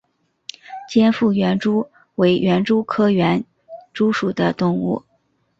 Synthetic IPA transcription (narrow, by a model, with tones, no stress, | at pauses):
t͡ɕjɛ˥nfu˥˩ɥɛ˧˥nʈ͡ʂu˥ | we˧˥ɪɥʔɛ˧˥nʈ͡ʂu˥kʰɤ˥ɥɛ˧˥n | ʈ͡ʂu˥ʂu˨˩d̪ə˦t̪ʊ˥˧ŋṵ˥˩